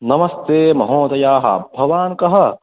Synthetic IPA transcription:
nɐmɐst̪eːmɐɦõːt̪ɐjaːɦa̰ːbʱɐʋaːnkɐɦɐ

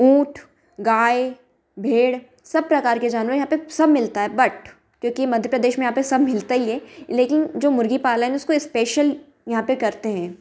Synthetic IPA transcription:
ũːʈʰ | ɡaːe | bʱeːɽ | sɐb̚pɾɐkaːɾked͡ʒaːnʋəɾjɐɦãpesɐbmɪlt̪aɦɛːbɐʈ | kjõːkimɐd̪ʱjəpɾɐd̪eːʃmẽjɐɦãpesɐbʱmɪlt̪aiɛleːkɪnd͡ʒoːmʊɾɡipaːlaɦɛ̃ɛʊskoɪspeːʃəl | jɐɦãpekɐɾt̪eɦɛ̃ː

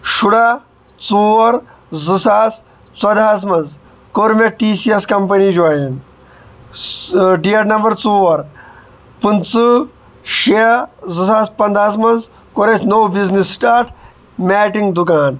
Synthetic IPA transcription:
ʃuɽa | t͡suːɐɾ | zɨsaːs | t͡sɐd̪aːs̬mɐnz | koɾmeʈiːsiɐskɐmpɐnid͡ʒuaːin | ɖiɐɾnɐmbɐɾt͡suːʋɐɾ | pɨnt͡sɨ | ʃiɐzɨsaːspɐnd̪aːsmɐnz | koɾɐsnowbiznisːʈaːɾʈʰ | mʲaːʈiŋɡd̪ukaːn

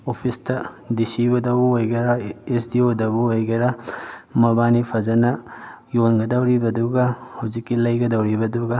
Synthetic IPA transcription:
opʰistɐ | disiβɐdɐwbuojɡɐɾaesdiodɐbuojɡɐɾamɐbanipʰɐzɐnɐ | jonɡɐdɐwɾibɐduɡahawzikːilɐjɡɐdɐwɾibɐduɡa

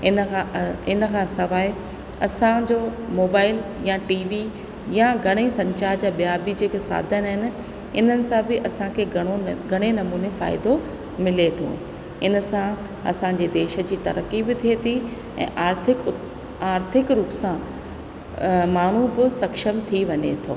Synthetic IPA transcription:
ɪnaɪnə̆kʰãːsɐʋaːɪ | ɐsãd͡ʑoːmoːbaːɪljaʈiːʋi | jaɡʱɐɽ̃isɐ̃ɲt͡ɕaːɾd͡ʑaɓijabid͡ʑeːkesa̰ːd̪ʱəɪnɦɪnɪ̆ | ɪn̤ənɪ̆sãbɪʔɐsãkʰeɐɽ̃oɡʱɐɽ̃enɐmuːnefa̰ːɪd̪o | mɪlet̪ʰo̰ːɦ | ɪnəsã | ɐ̰sãɲd͡ʑed̪eːʃə̆d͡ʑiːt̪ɐɾəkibɪt̪ʰiet̪ʰi | ɛ̰̃ːʔaːɾt̪ʰɪk | aːɾt̪ʰɪkɾuːpsã | maːɳ̤ubɪsɐkʃəmt̪ʰiʋɐɲḛt̪ʰo̰ː

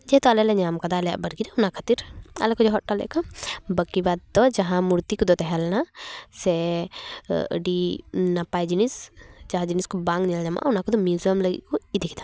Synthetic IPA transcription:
d͡ʒɛt̪ɔalɛlɛɲamkad̪alɛja̰ʔbəɾɡiɾɛunakʰḁt̪iɾa̰lɛkɔd͡ʒɔɦɔʈalɛ̰ʔkɔbəkibad̪̚ːɔd͡ʒaɦãmuɾt̪ikɔd̪ɔt̪ɛɦɛlnasɛ | ə̰ɖinapajd͡ʒinisd͡ʒaɦãd͡ʒiniskɔbaŋɡɲɛlɲama̰ʔunakɔd̪ɔmjuzəmləɡḭʔkɔid̪ʱikɛd̪a

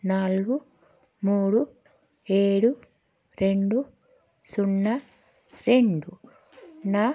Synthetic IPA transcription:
naːlɡu | muːɽu | e̞ːɽu | ɾe̞ɳɖu | suɳːɐ | ɾe̞ɳɖu | na

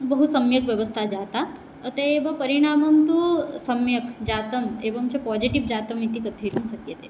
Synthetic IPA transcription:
bɐɦusɐmjəkʋjɐʋəst̪ʰad͡ʒaːt̪a | ət̪eeːʋɐpəɾiɽ̃aːmɐmt̪usɐmjəkd͡ʒaːt̪əmeːʋəmt͡ʃepɔːd͡ʑiʈiʋd͡ʒaːt̪əmit̪ikət̪ʰet̪ũsɐkjət̪e

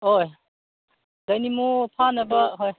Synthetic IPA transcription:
ɦoj | d̪ajnimupʰanebaɦoj

